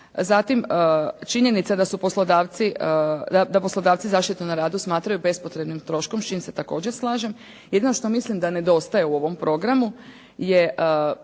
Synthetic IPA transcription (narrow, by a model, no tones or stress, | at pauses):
zat̪imt͡ʃiɲe̞nit̪sad̪asupo̞slod̪aːʋt̪sid̪ad̪apo̞slˠo̞d̪aːʋt̪sizaːʃt̪it̪unaɾaːd̪usmaːt̪ɾajube̞spo̞t̪ɾe̞bnimt̪ɾo̞ːʃkomst͡ʃiːmse̞t̪ako̞ːd͡ʑe̞ɾslˠaːʒe̞m | je̞d̪ino̞ʃt̪o̞mislimd̪ane̞d̪o̞st̪ajeuo̞ʋo̞mpɾo̞ɡɾamu | jeʔ